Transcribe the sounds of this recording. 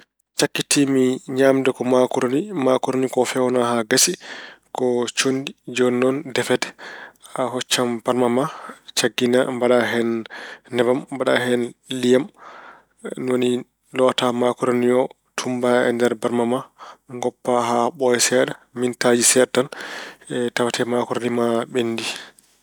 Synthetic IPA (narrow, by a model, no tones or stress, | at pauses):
t͡ʃakːitimiɲaːmdɛkɔmakuɾonimakɔɾonikɔfɛwnaɦaɡasikɔt͡ʃondid͡ʒɔnːɔndɛfɛdɛ̥aɦɔt͡ʃːamb̥aɾmamat͡ʃaɡːinambaɗaɦɛnːɛbamːbaɗa̰ɦɛnlijam | nwoni | lɔtamakuɾaniɔ | tʰumbaɛ̰ndɛɾbaɾmamaŋɡɔpːaɦaɓɔjɛsɛɗamintad͡ʒisɛtan | tawatʰɛmakɔɾanimaɓenːdi